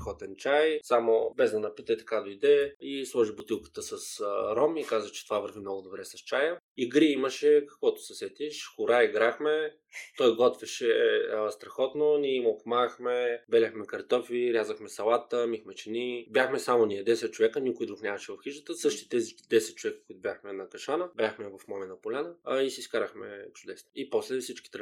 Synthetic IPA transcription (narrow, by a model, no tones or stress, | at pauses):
xɔt̪ɛnt͡ʃajsamobɛzd̪ɐnɐpit̪ət̪ɐ̥kad̪oid̪ɛislˠɔʒibot̪ilˠkə̥t̪əsəsɾɔmikazvət͡ʃɛ̥t̪ovavəɾvimnɔɡʊd̪obɾɛsɐst͡ʃajə | iɡɾiiməʃɛkɐkvɔt̪ʊ̥sɛsɛt̪iʃxʊɾaiɡɾaxmɛ | t̪ɔjɡɔt̪vɛʃɛst̪ɾɐxɔt̪nonʲiɛimokmaxmɛbɛlʲəxmɛkɐɾt̪ɔfiɾʲjazəxmɛsɐlˠat̪əmixmɛt͡ʃɛnibʲjaxmɛsamʊniɛd̪ɛsɛt̪̚t͡ʃovɛkənikʊjd̪ɾuxnʲamɐʃɛvɐfxiʃət̪əsɤʃt̪i̥t̪ɛzid̪ɛsɛt̪̚t͡ʃovɛkə̥kuit̪ʊbjaxmɛnɐkɐʃanəbʲjaxmɛvɐfmɔmɛnɐpolʲanəisiiskaɾəxmɛ̰t͡ʃʊd̪ɛsnoipɔslɛfsit͡ʃki̥t̪ɾ